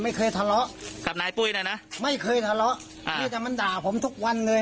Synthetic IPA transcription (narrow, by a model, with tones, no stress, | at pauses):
ma˥˩jkʰɤː˧jt̪ʰa˧lɔ˦˥ʔka˨˩p̚naː˨˦jpu˧˥˩jnaː˥˩na˦˥ʔma˥˩jkʰɤː˧jt̪ʰa˧lɔ˦˥ʔ | ʔm˧iː˧˩˨t̪ɛː˧˩ma˧ndaː˨˩pʰo˩˦mt̪ʰu˦˥k̚wa˧nlɤː˧